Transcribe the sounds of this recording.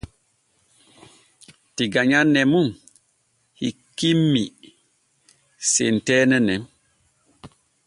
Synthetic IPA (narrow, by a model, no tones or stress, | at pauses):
tiɡaɲanːɛmum | hḭkːimːi | sentɛːnɛnɛm